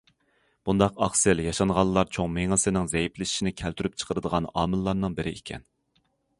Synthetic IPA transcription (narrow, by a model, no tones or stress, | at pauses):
b̥und̪ɑqɑχsɪljɑʃɑɴʁɑlˠlːˠɑɾt͡ʃʰoŋmeŋɨsɪnɪŋzɛjiplɪʃi̥ʃinɪkʲʰælt̪ʰyɾyp̚t͡ʃʰə̥qʰəɾɨd̪əʁɑnɑ̰ːmɨlˠːɑɾnɨŋbɪɾɪekʲʰɛ̰n